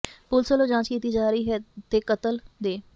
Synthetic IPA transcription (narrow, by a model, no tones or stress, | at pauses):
pʊlsəloːd͡ʒãːt͡ʃkiːt̪iːd͡ʒaːɾiːɦɛːt̪eːkət̪əld̪eː